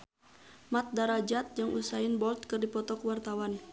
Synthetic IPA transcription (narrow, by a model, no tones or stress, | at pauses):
mat̪̚daɾad͡ʒat̪̚d͡ʒaŋʔusainbɔlt̪̚kərdipɔt̪ɔkwart̪awan